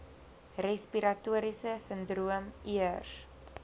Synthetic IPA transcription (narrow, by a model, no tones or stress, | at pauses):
respiɾatuəɾisəsəndruəmiər